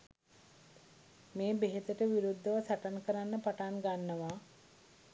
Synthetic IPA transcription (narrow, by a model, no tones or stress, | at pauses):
meːbeɦet̪əʈəʋiɾud̪ʱːəʋəsaʈankəɾanːəpaʈanɡanːəʋa